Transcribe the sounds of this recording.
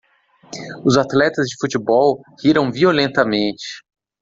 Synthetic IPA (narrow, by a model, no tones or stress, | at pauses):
ʊzat̪lɛt̪ɐzd͡ʒɪfut͡ʃɪbɔwhiɾɐ̃w̃violẽnt̪ɐmẽnt͡ʃɪ̥